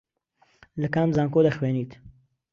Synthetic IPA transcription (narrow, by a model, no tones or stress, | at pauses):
ləkaːmzaːŋkoːd̪ɐxweːniːt̪